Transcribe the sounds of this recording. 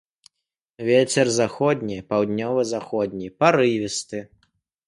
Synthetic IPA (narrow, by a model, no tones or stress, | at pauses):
vʲet͡sʲɛrzaxɔd̪ʲnʲijpawd̪ʲnʲɔvɨzaxɔd̪ʲnʲijpaɾɨvʲist̪ɨ